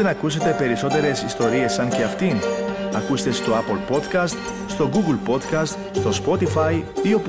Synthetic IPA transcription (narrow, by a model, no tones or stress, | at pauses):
enɐkus̬e̞t̪e̞pe̞ɾiso̞t̪e̞ɾe̞sist̪o̞ɾie̞sːɐnce̞ɐft̪inɐkust̪e̞st̪o̞ɐpolpo̞d̪kɐst̪ | st̪o̞ɡuɡulpo̞d̪kɐst̪ | st̪o̞spo̞t̪ifɐjio̞p